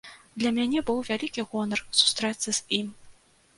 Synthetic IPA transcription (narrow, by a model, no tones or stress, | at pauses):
d̪lʲɐmʲanʲɛbɨwvʲalʲikʲiɣɔnɐrsu̥st̪ɾɛt̪sɨz̥ʲim